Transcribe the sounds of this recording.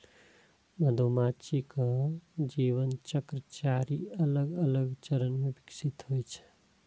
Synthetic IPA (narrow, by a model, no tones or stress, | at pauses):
məd̪ʱomat͡ʃikəd͡ʒiʋənt͡ʃəkɾət͡ʃaɾiələɡələɡt͡ʃəɾənmebiksit̪ɦojt͡ʃʰə̥